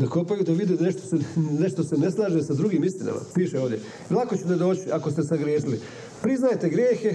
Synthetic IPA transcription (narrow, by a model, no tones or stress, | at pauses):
d̪ako̞pajud̪aʋid̪ineʃt̪oseneʃt̪ose̞ne̞slˠaːʒesad̪ɾuɡiːmist̪ina̰mʔa̰piːʃeo̞ːʋd̪je | ilˠakot͡ɕut̪ed̪o̞ːt͡ɕiakost̪esaɡɾjeːsili | pɾiznajet̪e̞ɡɾjeːxe̞